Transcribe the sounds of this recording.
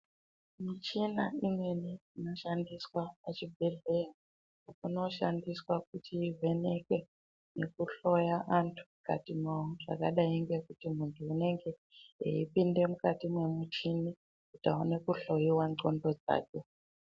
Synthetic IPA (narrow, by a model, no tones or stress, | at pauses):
mit͡ʃinaimwe̞niinoʃandiswaːt͡ʃibʱeɮera | kuno̞ʃandiswak̚utiːve̞ne̞ke̞ | ne̞kuɬo̞jaʔantʰu̥ka̰timwawoʐa̰ka̰ɗaiŋɡe̞kutimuntʰuːne̞ŋɡe̞ | ḛipinde̞mukatimwe̞mut͡ʃini | kutaone̞kuɬo̞jiwanɡo̞ndo̞d͡za̰ːt͡ʃo